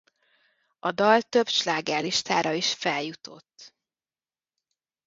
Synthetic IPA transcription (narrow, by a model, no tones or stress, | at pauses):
ɒd̪ɒlt̪ø̞bʃlaːɡaːliʃt̪aːɾɒiʃfɛljut̪o̰t̪ː